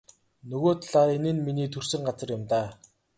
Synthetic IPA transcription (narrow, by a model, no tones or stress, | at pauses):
nɵɣoːt̪ʰɮaːɾenɘ̆nminiːt̪ʰɵr̥sɘ̆ŋɢat͡sə̆rjʊmt̪aː